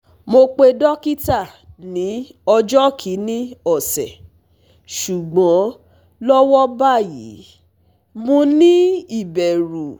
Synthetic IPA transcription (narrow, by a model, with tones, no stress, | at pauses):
mo˧k͡pe˧dɔ˦ki˦ta˦˨nĩ˨˦ɔ˧d͡ʒɔ˦kʰi˨˦nĩ˦ɔ˦˨sɛ˨ | ʃu˨ɡ͡bɔ̃˨˦ | lɔ˦wɔ˦ba˦˨jḭ˨˦ | mõ˧nĩ˦i˦˨bɛ˨ɾu˨